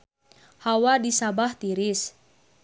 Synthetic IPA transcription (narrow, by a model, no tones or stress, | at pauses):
hawadisabaht̪iɾis